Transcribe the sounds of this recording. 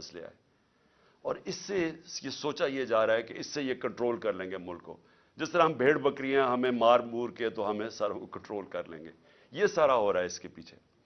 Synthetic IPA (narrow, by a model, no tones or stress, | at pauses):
ɐslḛa̰ːeː | ɔːɾɪsːejesoːt͡ʃajed͡ʒaːɾaɦɛkeɪsːejekɐ̃ɳʈɾoːlkɐɾlẽːŋɡemʊlkːo̰ː | d͡ʒɪst̪əɾaɦɐmbʱeːɽbɐkɾiɛ̃ɦɐmẽmaːɾmuːɾket̪oɦɐmẽsaːɾõkokɐ̃ɳʈɾoːlkɐɾlḛ̃ːŋɡḛː | jesaːɾaɦoːɾaːɦɛɪskepiːt͡ʃʰe̥